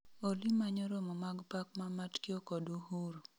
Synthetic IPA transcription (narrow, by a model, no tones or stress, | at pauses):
olimaɲɔɾɔmɔmaɡpakmamatkɪokɔduɦuɾo